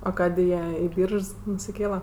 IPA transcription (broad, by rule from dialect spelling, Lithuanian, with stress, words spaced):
ɐ ˈkɑːdʲeː ˈjiɛ ɪ ˈbʲiːrʃs nʊsʲɪˈkʲeːlˠɐ